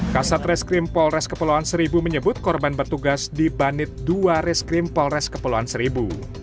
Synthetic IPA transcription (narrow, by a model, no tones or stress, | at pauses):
kasat̪rɛskɾɪmpɔlrɛskəpəluansəɾibuməɲəbʊt̪̚kɔrbanbərt̪uɡasdibanɪt̪̚duaɾɛskɾɪmpɔlrɛskəpəluansəɾibu